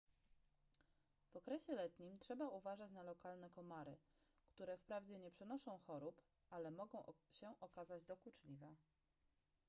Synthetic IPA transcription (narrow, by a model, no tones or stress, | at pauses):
v̥ɔkɾɛɕɛlɛt̪ɲimtʂɛbauvaʐat͡ɕnalɔkalnɛkɔmaɾɘ | kt̪uɾɛfpɾavd͡ʑɛɲɛpʂɛnɔʂɔ̃w̃xɔɾup | ʔalɛmɔɡɔ̃w̃ɕɛʔɔkazad͡ʑd̪ɔkut͡ʂlʲivɛ